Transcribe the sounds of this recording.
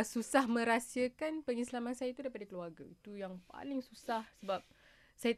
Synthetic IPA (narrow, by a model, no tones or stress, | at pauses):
susahmə̃ɾasiakanpəŋislamansajait̪udaipadakəluarɡa̰it̪ujaŋpa̰lɪŋsusahsəbap̚ | saja